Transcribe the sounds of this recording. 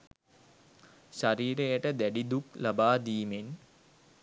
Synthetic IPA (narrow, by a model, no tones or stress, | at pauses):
ʃaɾiːɾejəʈəd̪æɖid̪uklabaːd̪iːmen